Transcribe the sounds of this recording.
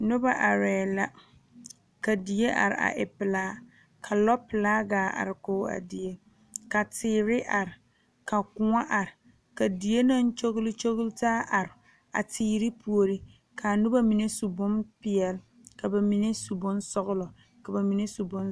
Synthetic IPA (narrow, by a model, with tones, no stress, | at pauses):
nʊ˦ba˦ʔa˨ɾɛː˨la˦ | ka˨di˨e˦ʔa̰˨ɾɪ̰˨ʔa̰˨ʔɪ˨pɪ˨laː˦ | kʰa˨lɔ˦pɪ˨laː˦ɡaː˨˦ʔa̰˨ɾɪ˨koː˦a̰˨dɪ˨e˦ | ka˨tʰɪː˦ɾɪ˦ʔa˨ɾɪ˨ | ka˨kʊ˨ŋa˦ʔa˨ɾɪ˨ | ka˨di˨e˦na˦n˦t͡ʃo˦ɣʊ˦lɪ˦t͡ʃo˦ɣʊ˦ltaː˦ʔa˨ɾɪ˨ | a̰˨tʰiː˦ɾi˦pʰu˨o˨ɾi˦ | kʰa˨nʊ˦ba˦mi˨ne˦su˨bʊ˦mpɪ˨ɛ˨l | ka˨ba˨mi˨˦ne˦su˨bʊ˦n˦sɔ˦ɣʊ˦lɔ˨ | ka˨ba˨mi˨ne˦su˨bʊ˦n